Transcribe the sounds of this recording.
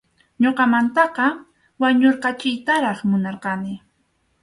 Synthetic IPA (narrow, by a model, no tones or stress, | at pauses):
ɲoqɑmant̪ɑqɑ | waɲoɾqɑt͡ʃɪjt̪aɾɑχmʊnɑɾqɑnɪ